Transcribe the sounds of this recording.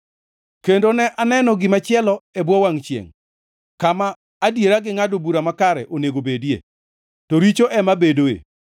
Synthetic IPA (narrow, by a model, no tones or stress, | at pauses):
kendonɛʔanɛnɔɡɪmat͡ʃɪɛlɔebwɔwaŋt͡ʃjḛŋ | kamaː | djeɾaɡɪŋadobuɾamakaɾɛ̰ʔoneɡobedjḛ | tɔɾit͡ʃoʔɛmabedoḛ